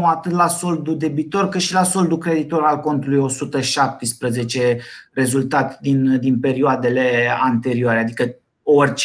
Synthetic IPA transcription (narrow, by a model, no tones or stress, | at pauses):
at̪ɨt̪laso̞ld̪ud̪e̞bit̪o̞rkɨt̪ʃilaso̞ld̪ukɾe̞d̪it̪o̞ɾalko̞nt̪ulujo̞sut̪əʃap̚t̪ispɾəze̞t͡ʃe̞re̞zult̪at̪d̪ind̪inpe̞ɾioad̪e̞le̞ant̪e̞ɾioaɾead̪ikə | orʲt͡ʃ